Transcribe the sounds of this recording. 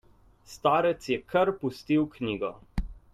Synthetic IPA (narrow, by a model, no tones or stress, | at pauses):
st̪aːɾɛt̪sjɛkʰɐɾpust̪iwkniːɡɔ